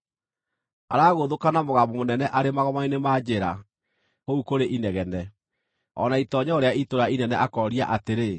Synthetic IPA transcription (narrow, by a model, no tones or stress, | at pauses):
a̰ɾaːɣoðokanamoɣamomonɛnɛʔaɾemaɣɔmainemaːd͡ʑeɾa | koukoɾeʔinɛɣɛnɛ | ɔ̰naitɔɲɛoɾeaitoɾainɛnɛʔakɔɾia̰ʔateɾe